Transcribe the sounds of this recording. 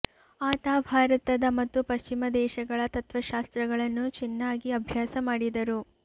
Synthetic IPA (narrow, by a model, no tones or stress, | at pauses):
aːt̪aːbʱaːɾɐt̪ɐd̪ɐmɐt̪ːupɐʃt͡ʃimɐd̪ɛːʃɐɡɐɭɐt̪ɐt̪ʋɐʃaːst̪ɾɐɡɐɭɐnːut͡ʃinːaːɡiɐbʱjaːsɐmaːɽid̪ɐɾu